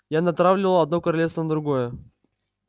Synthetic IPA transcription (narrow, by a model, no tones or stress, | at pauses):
janɐt̪ɾavlʲɪvəlˠɐd̪nokəɾɐlʲefst̪vənəd̪ɾʊɡojə